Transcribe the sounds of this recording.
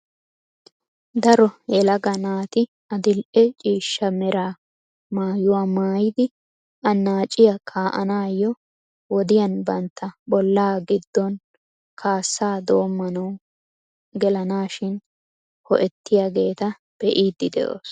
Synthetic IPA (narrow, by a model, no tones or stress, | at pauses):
d̪ɐɾɔjɛlɐɡɐnaːt̪ɪ | ɐd̪ɪlʔɛt͡ʃʼiːʃːɐmɛɾaː | maːjʊwaːmaːjɪd̪ɪ | ɐnːaːt͡ʃʼːɪjɐkʰaːʔɐ̰naːjːɔ | wɔd̪ɪjɐnbɐnt̪ːɐbɔlːaːɡɪd̪ːɔn | kʰaːsːaːd̪o̞ːmːɐnɐw | ɡɛlɐnaːʃɪn | hɔʔɛt̪ːɪjaɡe̞ːt̪ɐ | b̥ɛʔiːd̪ːɪd̪ɛ̰ʔo̰ːs